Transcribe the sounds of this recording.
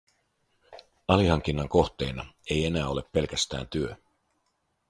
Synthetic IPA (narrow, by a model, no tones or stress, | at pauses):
ɑlihɑŋk̟inːɑŋko̞ht̪e̞ːnɑe̞je̞næːo̞le̞pːe̞lk̟æst̪æ̰ːnt̪yø